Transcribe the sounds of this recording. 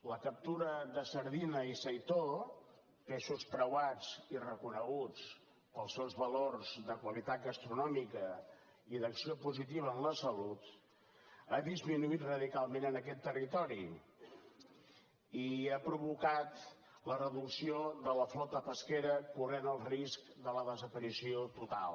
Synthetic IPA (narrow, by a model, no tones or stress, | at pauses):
ləkəp̚t̪uɾəðəsəɾðinəisəjt̪o | peʃuspɾəwad͡zirəkunəɣut͡s | pəlˠsewzβəlorzðəkwəβit̪at̪̚ɣəst̪ɾunɔmikə | iðəksiopuzit̪̬iβəːnləsəlut̪ | əðizminuit̪rəðikalˠmenənəkɛt̪ːərit̪ɔɾi | iapɾuβukat̪ | lərəðuksioðələflɔt̪əpəskeɾəkurenəlˠriskd̪ələðəzəpəɾisiot̪ut̪a̰lˠ